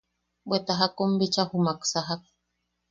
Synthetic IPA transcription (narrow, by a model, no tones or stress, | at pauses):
bwet̪aɦakombit͡ʃahumaksaɦak̚